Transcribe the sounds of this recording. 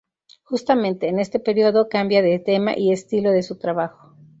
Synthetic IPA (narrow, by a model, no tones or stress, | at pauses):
xust̪amẽ̞nt̪e̞ːne̞st̪e̞pe̞ɾioðo̞kambjaðe̞t̪e̞ma̰ʔie̞st̪ilo̞ðe̞sut̪ɾaβaxo̞̥